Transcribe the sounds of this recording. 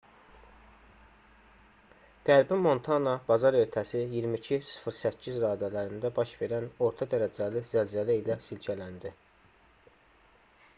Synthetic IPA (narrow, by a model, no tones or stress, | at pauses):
ɡ̥æɾbimo̞nt̪ʰɑnɑbɑzɑɾe̞ɾt̪ʰæsijiɾmicʰisɯ̥fɾsæcʰːizɾɑːd̪ælæɾind̪æbɑʃve̞ɾæno̞ɾt̪ʰɑd̪æɾæd͡ʒælizælzælæilæsilcʰælænd̪i